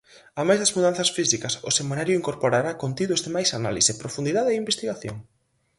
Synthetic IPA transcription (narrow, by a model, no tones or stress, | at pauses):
amajzðɐzmuðan̟θɐsfisikɐsʊsemenaɾjʊiŋkoɾpoɾaɾakont̪iðʊzðemajsanalisepɾofund̪iðaðeeimbest̪iɣaθjo̰ŋ